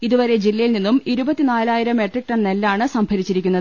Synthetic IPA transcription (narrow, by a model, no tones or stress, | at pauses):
iðuʋɐɾe̞d͡ʑilːɐjilninːumiɾubɐt̪ːinaːlaːjiɾɐme̞ʈrik̚ʈɐɳnelːaːɳɨsɐmbʱɐɾit͡ɕːiɾikʲːunːɐðɨ